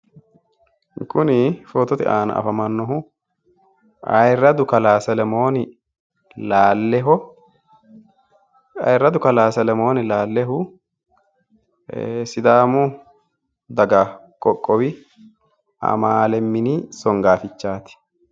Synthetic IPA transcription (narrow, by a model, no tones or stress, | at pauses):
kʊnɪfoːt̪ːɔt̪ɪ̰ʔaːnɐ̰ʔɐ̰fɐmɐnːɔɦʊ | ɐ̰jrːɐd̪ʊkɐlaːsɛlɛmo̞ːnɪ | laːlːɛɦɔ | ɐ̰jrːɐd̪ʊkɐlaːsɛlɛmo̞ːnɪlaːlːɛɦʊ | sɪd̪aːmʊ | d̪ɐɡɐ | kʼɔkʼːɔwɪ | ɐ̰maːlɛmːɪnisɔŋɡaːfɪt͡ʃːaːt̪ɪ̥